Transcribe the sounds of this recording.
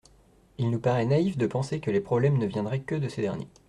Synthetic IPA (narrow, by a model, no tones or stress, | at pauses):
ilnupaʁɛnaifd̪əpɑ̃sekəlepχɔblɛmnəvjɛ̃nd̪ʁɛkəd̪əsed̪ɛʁnjḛ